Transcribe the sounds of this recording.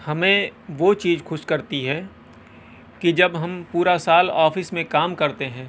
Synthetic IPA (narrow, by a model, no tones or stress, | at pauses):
hɐmẽʋoːt͡ʃiːzxʊʃkɐɾt̪iɦɛ | kid͡ʒɐbɦɐmpuːɾasaːlɔːfɪsmẽkaːmkɐɾt̪eɦɛ̃ː